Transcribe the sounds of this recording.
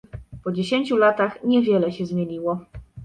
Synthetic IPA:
pɔd͡ʑeɕeɲt͡ɕulat̪axɲɛvʲjɛlɛɕɛzmʲjeɲiwɔ

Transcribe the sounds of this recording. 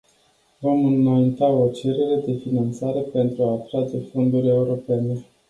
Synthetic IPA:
vo̞mɨnajint̪ao̞t͡ʃe̞ɾe̞ɾe̞d̪e̞finant̪saɾe̞pe̞nt̪ɾuaːt̪ɾad͡ʒe̞fo̞nd̪uɾʲe̞uɾo̞pe̞ne̞

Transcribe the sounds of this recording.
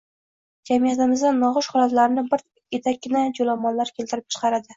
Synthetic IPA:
d͡ʒamijat̪ɪmɪzd̪anːɒʁʊʃhɒlˠat̪laɾnɪbɪɾ | et̪ʰak̚ʲːɪnad͡ʒolamːɒnlaɾkʲʰe̞lt̪ɪɾɪp̚t͡ʃʰɨ̥qʰɑɾad̪ɪ

